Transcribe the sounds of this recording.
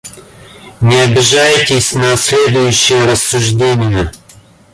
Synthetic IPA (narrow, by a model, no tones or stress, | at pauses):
nʲɪɐbʲɪʒajtʲɪsʲnɐsʲlʲed̪ʊjʊɕːɪjəɾɐsːʊʒdʲenʲɪjə